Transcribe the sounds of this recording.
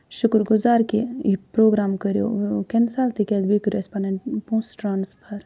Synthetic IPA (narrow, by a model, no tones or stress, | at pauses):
ʃʊkɾɡʊzaːɾkeipɾoːɡɾaːmkəɾjo̰ːkɐnsaːlt̪ikɛzbikəɾespaːneɳʈpũːsʈɾaːnspʰɐɾ